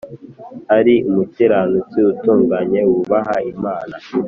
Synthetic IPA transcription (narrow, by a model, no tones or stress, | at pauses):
haɾiumutiɾanut͡siutuːŋɡaɲe̞wuβaɦaimaːna